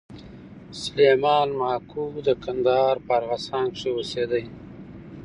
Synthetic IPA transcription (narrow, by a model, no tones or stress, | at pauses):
sʊlemɑːnmɑːkud̪əkand̪aɦɑɾpəaɾɣasɑːŋkʂewosed̪əj